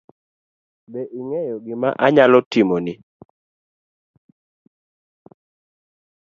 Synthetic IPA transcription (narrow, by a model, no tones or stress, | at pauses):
bɛʔiŋɛjɔɡɪma̰ʔaɲalɔtimɔnɪ